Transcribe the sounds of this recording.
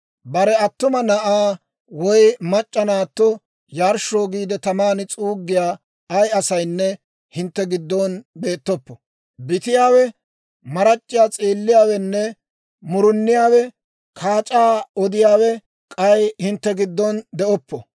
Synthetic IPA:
bɐɾɛɐt̪ːʊmɐnɐʔaː | wɔjmɐt͡ʃʼːɐnaːt̪ːɔ | jaːɾʃoːɡiːd̪ɛt̪ɐmaːnɪt͡sʼuːɡːɪjaː | ɐjɐsɐjnːɛ | hɪnt̪ːɛɡɪd̪ːɔnbe̞ːt̪ːɔpːɔ | bɪt̪ɪjaːwɛ | mɐɾɐt͡ʃʼːɪjaːt͡sʼiːlːɪjaːwɛnːɛ | mʊɾʊnːɪjaːwɛ | kʰaːt͡ʃʼaːɔd̪ɪjaːwɛ | kʼɐjhɪnt̪ːɛɡɪd̪ːɔnd̪ɛʔɔpːɔ

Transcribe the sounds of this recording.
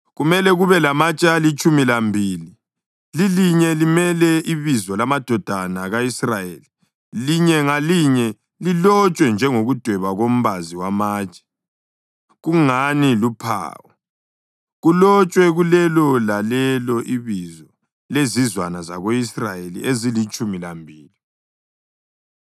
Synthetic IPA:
ɣumɛlɛɣuβɛlamat͡ʃʼalit͡ʃʼumilambʱiːli | liliɲɛlimɛlɛʔiβizɔlamad̥ʱɔd̥ʱanaɣaisrajeːli | liɲɛŋaliɲɛ | lilɔt͡ʃʼwɛnd͡ʒʱɛŋoɣud̥ʱwɛβaɣom̩βaziwamaːt͡ʃʼɛ̥ | ɣuŋanilupʰa̰ːwɔ | ɣulɔt͡ʃʼwɛɣulɛlɔlalɛlɔʔiβizɔ | lezizwanazaɣoisrajelḭezilit͡ʃʼumilambʱiːli

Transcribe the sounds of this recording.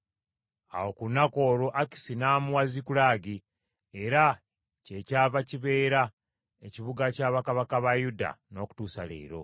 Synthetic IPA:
a̰wo̞kunːako̞ːɾoʔaki̥sinaːmuwazikulaːɡi | eɾa | ce̞caːvaciβe̞ːɾa | eciβuɡacaːβakaβakaβajuda̰no̞ːku̥tuːsa̰lḛːɾo̞̰

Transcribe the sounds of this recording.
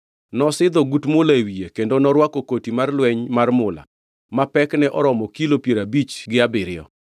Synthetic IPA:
nɔsɪd̪ɔɡutmʊlaewiekendonɔɾwakɔkotimarlwɛɲmarmʊla̰ | mapɛknɛʔɔɾɔmɔkilopjeɾabit͡ʃɡɪabɪɾɪjɔ̰

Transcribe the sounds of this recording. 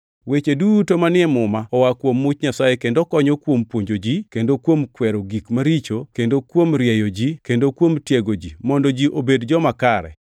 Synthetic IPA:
wet͡ʃedutomanɪɛmʊmaɔwakwomːʊt͡ʃɲasajekendokɔɲɔkwompwoɲd͡ʒod͡ʒikendokwomkwɛɾoɡikmaɾit͡ʃokendokwomɾjɛjod͡ʒikendokwomtjeɡod͡ʒimɔndɔd͡ʒiʔobedd͡ʒɔmakaɾɛ̰

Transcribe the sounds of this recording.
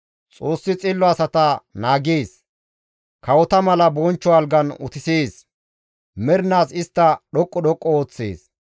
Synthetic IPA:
t͡sʼo̞ːsːɪt͡sʼɪlːɔɐsɐt̪ɐnaːɡeːs | kɐwɔt̪ɐmɐlɐbɔnt͡ʃːɔɐlɡɐnʊ̰t̪ɪseːs | mɛɾnaːsɪst̪ːɐɗɔkʼːɔɗɔkʼːɔoːt͡sːḛːs

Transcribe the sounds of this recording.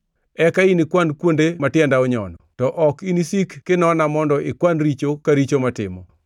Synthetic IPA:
ɛkainikwankwondematjɛndaɔɲɔ̰nɔtɔʔɔkinisikːɪnɔnamɔndɔʔɪkwanɾit͡ʃokaɾit͡ʃomatɪ̰mɔ

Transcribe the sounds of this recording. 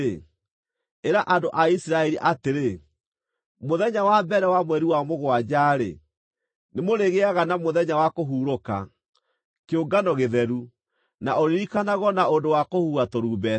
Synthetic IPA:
eɾaʔandoʔaisiɾaɛɾiʔateɾe | moðɛɲawabɛɾɛwamwɛɾiwamoɣwad͡ʑaːɾḛ | nemoɾeɣeaɣanamoðɛɲawakoɦuːɾoka̰ | keoɡanɔɣeðɛɾu | naoɾeɾikanaɣɔnaondowakohuɣatoɾuːbɛ

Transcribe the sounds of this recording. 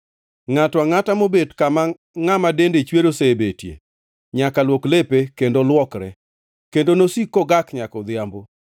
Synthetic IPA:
ŋatwaŋatamobedkama | ŋamadendet͡ʃweɾosebetjḛ | ɲakalwoklepekendolwɔkɾɛ̰ | kendonosikːoɡakɲakɔd̪ɪambo

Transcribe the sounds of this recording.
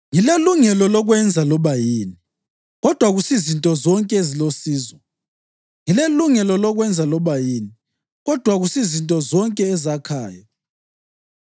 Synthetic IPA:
ŋileluŋɛlɔlɔɣwɛnd͡zʱalɔβajiːni | ɣɔd̥ʱwaɣusizintʼɔzɔŋkʼɛezilosiːzwɔ | ŋileluŋɛlɔlɔɣwɛnd͡zʱalɔβajiːni | ɣɔd̥ʱwaɣusizintʼɔzɔŋkʼɛːzakʰaːja

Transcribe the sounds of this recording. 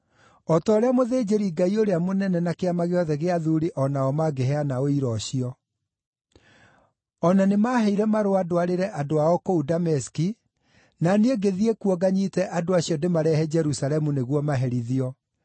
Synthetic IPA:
ɔtɔːɾeamoðeːd͡ʑeɾiɡaioɾeamonɛnɛnakeamaɣeɔðɛɣeaðuɾiʔɔnaɔmaɡeɦɛanaoiɾɔɕiɔ | ɔnanemaːɦɛiɾɛmaɾoadoaɾeɾɛʔadoaɔkoudamɛski | naneeɡeðiekuɔɡaɲitɛʔadoaɕiɔdemaɾɛhɛd͡ʒɛɾusalɛmuneɣwɔmaɦɛɾiðiɔ

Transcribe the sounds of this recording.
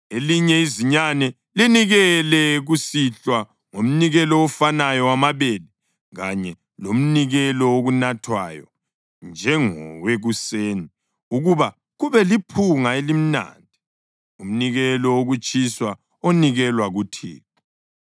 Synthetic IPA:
eliɲɛiziɲanɛ | liniɣɛlɛɣusiɬwa | ŋom̩niɣɛlɔːfanajɔwamaβeːli | ɣaɲɛ | lom̩niɣɛlɔoɣunatʰwa̰jɔ̰ | nd͡ʒʱɛŋɔ̰weɣuseːni | uɣuβa | ɣuβɛlipʰuŋaelim̩na̰ːnd̥ʱi | um̩niɣɛlɔoɣut͡ʃʼiswa | oniɣɛlwaɣutʰḭːk

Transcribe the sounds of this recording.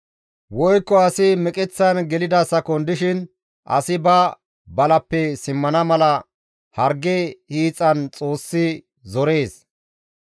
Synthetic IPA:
wɔjkːɔɐsɪmɛkʼɛt͡sːɐnɡɛlɪd̪ɐsɐkɔnd̪ɪʃɪn | ʔɐ̰sɪbɐ | bɐlɐpːɛsɪmːɐnɐmɐlɐ | hɐɾɡɛhiːt͡sʼːɐnt͡sʼo̞ːsːɪ | zɔɾe̞ːs

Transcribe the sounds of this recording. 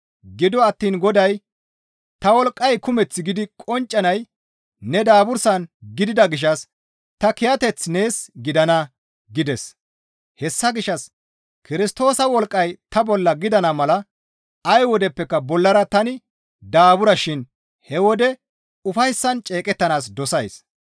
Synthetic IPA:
ɡɪd̪ɔɐt̪ːiːnɡɔd̪ɐj | t̪ɐwɔlkʼːɐjkʊmɛt͡sːɪɡɪd̪ɪkʼɔnt͡ʃʼːɐnɐj | nɛd̪aːbʊɾsɐnɡɪd̪ɪd̪ɐɡɪʃ̬ɐs | t̪ɐkɪjɐt̪ɛt͡sːne̞ːsɡɪd̪ɐnɐ | ɡɪd̪ɛs | hɛsːɐɡɪʃɐs | kɪɾɪst̪o̞ːsɐwɔlkʼːɐjt̪ɐbɔlːɐɡɪd̪ɐnɐmɐlɐ | ɐjwɔd̪ɛpːɛkːɐbɔlːɐɾɐt̪ɐnɪ | d̪aːbʊɾɐʃɪn | hɛwɔd̪ɛ | ʊfɐjsːɐnt͡ʃʼe̞ːkʼɛt̪ːɐnaːs̬d̪ɔsɐjs

